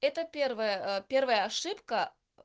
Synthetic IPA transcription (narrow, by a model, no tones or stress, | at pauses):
ɛt̪əpʲervəjəpʲe̞rvəjəɐʂɨpkə